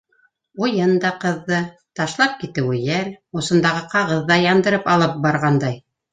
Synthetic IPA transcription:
ujɤnd̪ɑqɤ̆ðːɤ | t̪ɑʃlˠɑp̚kit̪ɘ̆wɘjælŏsɤ̆nd̪ɑʁɤqɑʁɤðːɑjɑnd̪ɤ̆ɾɤpɑlˠɤp̚bɑɾʁɑnd̪ɑj

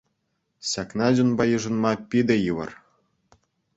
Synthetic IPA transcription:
ɕʲɑknɑd͡ʑʲunbɑjɯʐɤ̆nmɑpʲid̪ɘ̆jɯʋɤ̰̆r

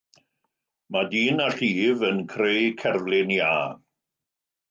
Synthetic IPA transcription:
madiːnaɬiːvənkʰrejkʰɛrvlˠɪnjaː

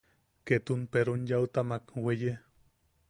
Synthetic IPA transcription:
ket̪unpeɾonjawt̪amakweje

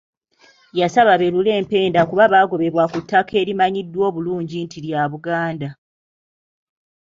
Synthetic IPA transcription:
jasaβaβe̞lule̞ːmpe̞ːndakuβaβaːɡo̞βe̞βwakutːake̞ːɾimaɲidːwo̞ːβuluːɲɟintiɾjaβuɡaːnda

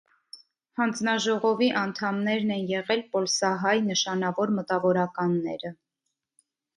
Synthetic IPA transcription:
hɑnd͡znɑʒɔʁɔviʔɑnt̪ʰɑmnɛɾnɛnjɛʁɛlpɔlsɑɦɑjnəʃɑnɑvɔɾmət̪ɑvɔɾɑkɑnːɛ̰ɾə

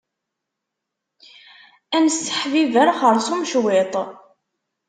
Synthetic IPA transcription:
ænəsːə̥ħvivæɾχəɾˤsumʃwɪt̪ˤ

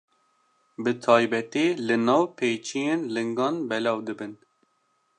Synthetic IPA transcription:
bɨt̪ʰɑːjbɛt̪eːlɨnɑːwpʰeːjt͡ʃʰijeːnlɨŋɡɑːnbɛlɑːwd̪ɨbɨn

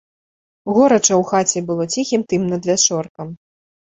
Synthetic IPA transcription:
ɣɔɾɐt͡ʂɐwxat͡sʲɛbɨlˠɔt͡sʲixʲimt̪ɨmnɐd̪vʲat͡ʂɔrkɐm

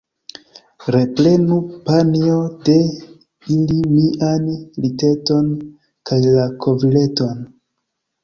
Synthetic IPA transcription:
ɾe̞ple̞nupanio̞de̞ | ilimiʔanlite̞to̞n | kajlakʰo̞vile̞to̞n

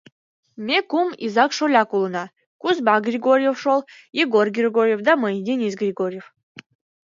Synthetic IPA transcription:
mʲekumḭzakʂolʲakulˠɨna | kuzbaɡrʲɪɡoɾʲjefʂolˠ | jeɡorɡʲrʲɪɡoɾʲjefd̪amɤdʲenʲis̬ɡrʲɪɡoɾʲjef

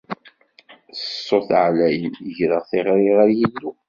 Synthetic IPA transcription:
ə̥sˤːoθʕlæjənəʝɾəʁθɪʁɾiʁaɾjid̪ːu

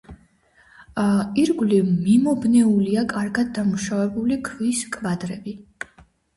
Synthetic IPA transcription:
iɾɡlimimɔbnɛuliakʼaɾɡad̪ːamuʃavɛbulikʰviskʼvad̪ɾɛbi

